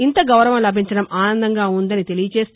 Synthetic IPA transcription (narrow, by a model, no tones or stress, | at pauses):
int̪ɐɡɐwɾɐʋɐmlɐbʱiɲt͡ʃɐɽɐmaːnɐnd̪ɐŋɡaːund̪ɐnit̪e̞lijɐt͡ʃeːs